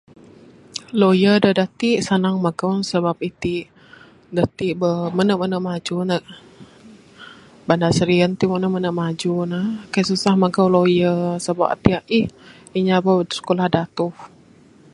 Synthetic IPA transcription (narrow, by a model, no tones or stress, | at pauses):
lojədədat̪iʔsanaŋmaɡawnsəbap̚it̪iʔ | dat̪iʔbəmənəʔmənəʔmad͡ʒunəʔ | bandasəɾiənt̪iʔmənəʔmənəʔmad͡ʒunəkajsusahmaɡawlojəsəba̰p̚a̰t̪iaʔih | iɲabəsə̥kolahdat̪ʊh